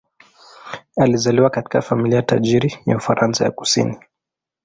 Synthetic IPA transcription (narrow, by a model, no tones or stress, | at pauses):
alizaliwakati̥kafamiliajataʄiɾija̰ufaɾansa̰ja̰ku̥sḭni